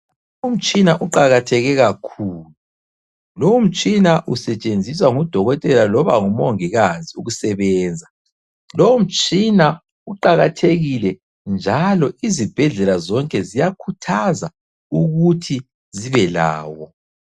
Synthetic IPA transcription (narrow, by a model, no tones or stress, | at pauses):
oum̩t͡ʃʼinaʔuǃaɣatʰɛɣɛɣakʰuːlu | loum̩t͡ʃʼinaʔusɛt͡ʃʼend͡zʱis̬waŋud̥ʱɔɣɔtʼɛlalɔβa̰ŋumoŋiɣaziuɣusɛβɛːnd͡zʱa | loum̩t͡ʃʼina | uǃaɣatʰeɣilɛ | nd͡ʒʱalɔizib̥ʱɛɮɛlazɔŋkʼɛzijakʰutʰaza | uɣutʰi | ziβɛla̰ːwɔ